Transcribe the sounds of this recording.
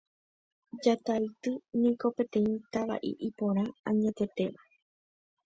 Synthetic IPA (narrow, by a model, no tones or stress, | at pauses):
d͡ʒat̪aɨt̪ɨnĩko̞pe̞t̪ẽ̞ĩt̪aʋa̰ʔḭʔipõ̞ɾ̃ããɲẽt̪e̞t̪e̞ʋa